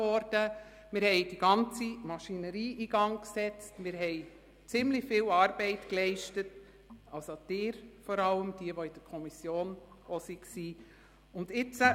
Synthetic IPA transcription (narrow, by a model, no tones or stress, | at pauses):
ɔɾd̥ə | mɪɾhɛɪd̥iɡɑnt͡simɑʃinəɾiːʔiːɡɑŋksɛt͡stmɪɾɦɛɪ | t͡sɪmlɪçfɪlɑːɾb̥ɛɪtklɛɪʃtət | ɑlsod̥ɪːɾfɔɾɑləmd̥iəʋoid̥əɾkʰɔmisjoːnosiksiː | ʊndɪt͡sə